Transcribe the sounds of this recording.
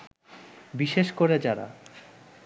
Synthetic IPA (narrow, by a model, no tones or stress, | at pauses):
biʃeʃkoɾed͡ʑaɾa̰